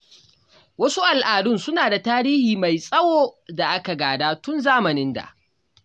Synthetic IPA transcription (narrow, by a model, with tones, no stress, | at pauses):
wɐ˦su˦ʔa˨lʔaː˨dʊ˦nsʊ˦naː˨da˨taː˦ɾiː˦hiː˨ma˨jsʼɐ˦woː˨da˨ʔa˦ka˨ɡaː˨daː˦tʊ˦nzaː˦mɐ˨nɪ˦nda̰˨ʔ